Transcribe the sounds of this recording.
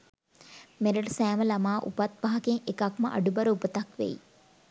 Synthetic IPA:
meɾəʈəsæːməlamaːʔupat̪̚baɦɐkeŋekakməʔa̰ɖubɐɾəupət̪akʋḛj

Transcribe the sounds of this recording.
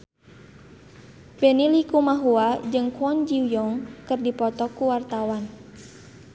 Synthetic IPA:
benilikumaɦuad͡ʒɨŋkuɔnd͡ʒiwjɔŋkɨrdipɔt̪ɔkuwart̪awan

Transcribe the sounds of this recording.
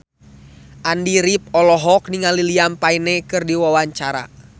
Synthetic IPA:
ʔandiɾip̚ɔlɔɦɔk̚niŋaliliampainɛkɨrdiwawaɲt͡ʃaɾa̰

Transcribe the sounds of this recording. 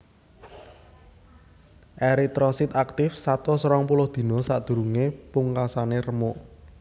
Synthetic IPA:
ʔeɾit̪ɾɔsɪt̪ak̚t̪ɪfsat̪ɔsɾɔŋpulʊhd̪̥i̤nɔsaʔd̪̥ṳɾuŋepuŋkasanerəmʊʔ

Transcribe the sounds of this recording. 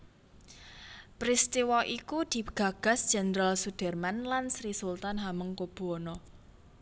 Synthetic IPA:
pɾist̪iwɔʔikud̪̥i̤ɡ̥ä̤ɡ̥a̤sd̥ʒ̥ɛ̤nɾalsud̪̥ɛ̤rmanlansɾisult̪anɦaməŋkob̥ṳɔnɔ

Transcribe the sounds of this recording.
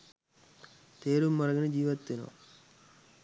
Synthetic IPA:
t̪eːɾumːɐɾɐɣɐnɨd͡ʑiːʋɐt̪ːino̰ː

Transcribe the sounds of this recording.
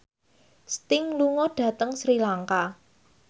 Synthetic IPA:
st̪ɪŋluŋɔɖ̥ä̤t̪əŋsɾilaŋka

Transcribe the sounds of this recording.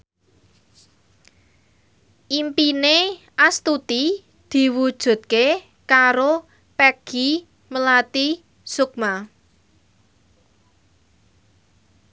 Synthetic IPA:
ʔimpine | ʔast̪ut̪i | d̪̥i̤wud̥ʒ̥ṳt̪̚ke | kaɾo | pɛɡ̥i | məlat̪i | suk̚ma

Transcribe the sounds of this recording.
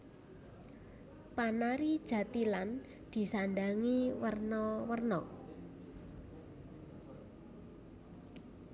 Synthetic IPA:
panaɾid̥ʒ̥a̤t̪ilan | d̪̥i̤sanɖaŋiwərnɔwərnɔ

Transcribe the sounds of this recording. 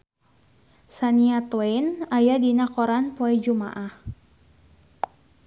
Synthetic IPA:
saniat̪winajadinakɔɾanpoɛd͡ʒuma̰ʔah

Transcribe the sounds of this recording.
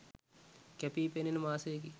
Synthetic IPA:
kɛpiːpeninmaːseːk̬i

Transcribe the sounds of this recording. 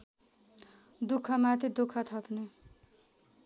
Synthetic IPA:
d̪ukʰːʌmat̪ʰid̪ukʰʌt̪ʰʌpne

